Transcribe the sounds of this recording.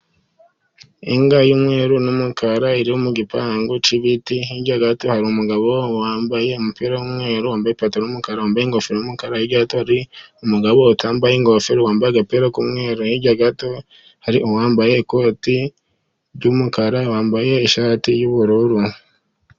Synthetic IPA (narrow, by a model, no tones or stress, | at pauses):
iŋɡajumŋe̞ːɾunumukaɾaiɾiumuɡipaːŋɡot͡ʃiβitihiɟaɡato̞haɾiumuɡaβo̞waːmbaje̞umupiɾajumŋe̞ːɾuwaːmbajepatonumukaɾawaːmbajeŋɡofeɾojumukaɾajiɟaɡatohaɾiumuɡaβo̞utʰaːmbajeŋɡo̞feɾowaːmbajeɡapiɾakumŋe̞ːɾuniɟaɡato̞ | haɾiuwaːmbaje̞ːko̞ːti | ɾɟumukaɾawaːmbaje̞ːʃaːtijuβuɾuɾu